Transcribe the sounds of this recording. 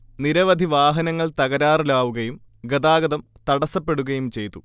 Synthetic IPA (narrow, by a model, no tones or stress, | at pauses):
niɾɐʋɐd̪ʱiʋaːɦɐnɐŋːɐɭt̪ɐɣɐɾaːrilaːʋuɣɐjum | ɡɐd̪aːɡɐðɐmt̪ɐɽɐsɐpːe̞ɽuɣɐjumt͡ɕe̞jt̪ːu